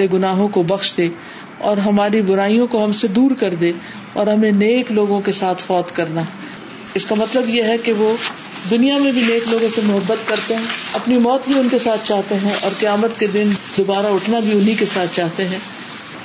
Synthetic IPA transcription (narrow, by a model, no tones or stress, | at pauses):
ɾeɡʊnaːɦõkobɐxʃd̪eː | ɔːɾɦɐmaːɾibʊɾaːijõkoɦɐmsed̪uːɾkɐɾd̪eː | ɔ̰ːɾɦɐmẽneːkloːɡõkesaːt̪ʰfɔːt̪kɐɾna | ɪskamɐt̪ləbjeɦɛkeʋo | d̪ʊnijamẽbʱineːkloːɡõsemʊɦəbːət̪kɐɾt̪eɦɛ̃ɐpnimɔːt̪bʱiʊnkesaːt̪ʰt͡ʃaːɦt̪eɦɛ̃ʔɔːɾqɐjaːmət̪ked̪ɪnd̪oːbaːɾaʊʈʰnabʱiʊnɦikesaːt̪̚ʰt͡ʃaːɦt̪eɦɛ̃ː